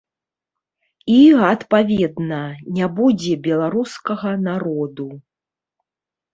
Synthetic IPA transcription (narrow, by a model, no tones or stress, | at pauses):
iɐt̪pavʲɛd̪nɐnʲabud͡zʲɛbʲɛlˠaɾuskɐɣɐnaɾɔd̪u